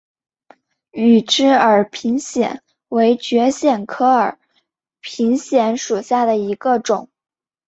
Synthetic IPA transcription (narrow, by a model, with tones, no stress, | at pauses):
y˨˩ʈ͡ʂɻ̩˥ə˞˨˩pʰi˧˥ŋɕjɛ̰˨˩˦n | we˧˥ɪt͡ɕɥɛ˧˥ɕjɛ˨˩nkʰɤ˥ə˞˨˩˦ | pʰi˧˥ŋɕjɛ˧˥nʂu˨˩ɕja˥˩d̪ə˩i˧˥ɡə˧ʈ͡ʂʊ˨˩˦ŋ